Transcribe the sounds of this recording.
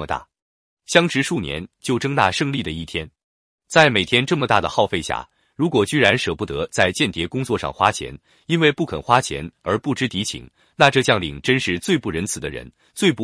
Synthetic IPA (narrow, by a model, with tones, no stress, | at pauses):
ə˩t̪a̰˥˩ | ɕjɑ˥ŋʈ͡ʂɻ̩˧˥ʂu˥˩njɛ̰˧˥nt͡ɕjo˥˩ʊʈ͡ʂɤ˥ŋt̪a̰˥˧ʂɤ˥˧ŋli˥˩d̪ə˩i˥˩t̪ʰjɛ˥n | t͡sa˥˩ɪme˨˩ɪt̪ʰjɛ˥nʈ͡ʂɤ˥˩mə˩t̪a̰˥˩d̪ə˩xɑ˥˧ʊfe˥˧ɪɕja̰˥˩ | ɻu˧˥kwɔ˨˩t͡ɕy˥ɻa˧˥nʂɤ˨˩pu˥˩t̪ɤ˧˥t͡sa˥˧ɪt͡ɕjɛ˥˩nt̪jɛ˧˥kʊ˥ŋt͡swɔ˥˧ʂɑ̰˥˩ŋxwa˥t͡ɕʰjɛ̰˧˥n | i˥nwe˥˧ɪpu˥˩kʰə˨˩nxwa˥t͡ɕʰjɛ̰˧˥nə˞˧˥pu˥˩ʈ͡ʂɻ̩˥t̪i˧˥t͡ɕʰḭ˨˩˦ŋ | na˥˧ʈ͡ʂɤ˥˧t͡ɕjɑ˥˩ŋlḭ˨˩ŋʈ͡ʂə˥nʂɻ̩˥˧t͡swe˥˧ɪpu˥˩ɻə˧˥nt͡sʰɹ̩˨˩d̪ə˦ɻə̰˧˥n | t͡swe˥˧ɪpu˥˩